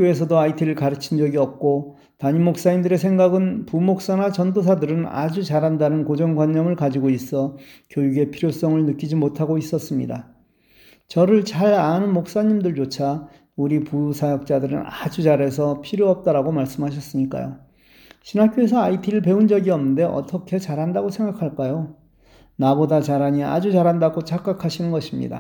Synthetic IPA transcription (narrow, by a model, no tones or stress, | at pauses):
kjoe̞s̬ʰʌdoaitʰiɾɯɭkaɾɯt͡ɕʰind͡ʑʌɡiʌp̚k͈o | taɲimok̚s͈aindɯɾe̞sʰe̞ŋɡaɡɯnpumok̚s͈anat͡ɕʌndos̬ʰadɯɾɯna̰d͡ʑut͡ɕaɾɦandanɯnkod͡ʑʌŋɡwaɲːʌmɯɭkad͡ʑiɡois͈ʌkjojuɡe̞pʰiɾjos͈ʌŋɯɭnɯk͈id͡ʑimotʰaɡois͈ʌs͈ɯmɲḭda | t͡ɕʌɾɯɭt͡ɕaɾanɯnmok̚s͈aɲimdɯɭt͡ɕot͡ɕʰa | uɾipusʰajʌk̚t͡ɕ͈adɯɾɯ̰nad͡ʑud͡ʑaɾe̞s̬ʰʌpʰiɾjoʌp̚t͈aɾaɡomaɭs͈ɯmɦaɕ̬ʰʌs͈ɯɲik͈a̰jo̰ | ɕʰinak͈joe̞sʰʌaitʰiɾɯɭpe̞und͡ʑʌɡiʌmnːɯnde̞ʔʌ̰t͈ʌkʰe̞t͡ɕaɾɦandaɡosʰe̞ŋɡakʰaɭk͈ajo | nabodat͡ɕaɾɦaɲia̰d͡ʑut͡ɕaɾɦandaɡot͡ɕak͈akʰaɕʰinɯnɡʌɕʰimɲḭda̰